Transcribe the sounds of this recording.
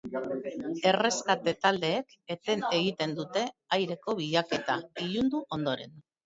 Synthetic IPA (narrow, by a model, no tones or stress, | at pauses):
e̞re̞skat̪e̞t̪ald̪e̞ːk | et̪e̞ne̞ɣit̪e̞nd̪ut̪e̞ajɾe̞ko̞βiʎake̞t̪aiʎund̪uʔo̞nd̪o̞ɾe̞̰n